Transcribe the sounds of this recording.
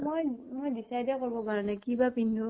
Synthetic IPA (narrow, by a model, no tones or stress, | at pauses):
mojmojbisajdɛkoɹbɔpaɹɛnakibapindʱu